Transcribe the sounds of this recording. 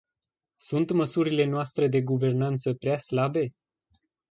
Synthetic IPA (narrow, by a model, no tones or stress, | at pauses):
sunt̪məsuɾile̞noast̪ɾed̪e̞ɡuve̞rnant̪səpɾeaslabe̞